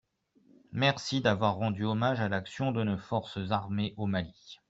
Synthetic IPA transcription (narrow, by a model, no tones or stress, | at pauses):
mɛʁsid̪avwaʁːɑ̃d̪yɔmaʒalaksjɔ̃d̪ənofɔʁsəzaʁmeʔomali